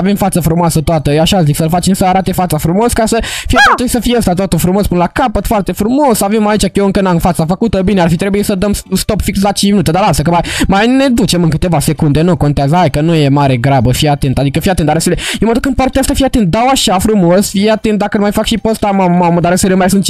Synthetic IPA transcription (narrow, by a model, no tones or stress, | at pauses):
ave̞mfat̪səfɾumoasət̪oat̪əaʃaziksəlfat͡ʃemsəaɾat̪efat̪safɾumo̞skasəfijt̪esəfijeəst̪at̪at̪əfɾumo̞spɨnlakapət̪foart̪e̞fɾumo̞savemait͡ʃajeɨŋkənamfat̪safəkut̪əbinearfit̪ɾebujesəd̪əmst̪o̞pfiks̬lat͡ʃint͡ʃminut̪ed̪aɾlalst̪ak̬əmajmajne̞d̪ut͡ʃe̞mɨnŋkɨ̥t̪e̞vase̞kund̪enuko̞nt̪eazəɦajkənuje̞maɾe̞ɡɾabəfiat̪e̞nt̪ad̪ikəfijat̪ent̪aɾeselejewməd̪ukɨnd̪̚paɾt̪eəst̪afiat̪e̞nt̪̚d̪awaʃafɾumo̞sfieat̪ent̪̚d̪akənmajfakʃipəst̪amammaməd̪aɾəselemajsunt͡ʃ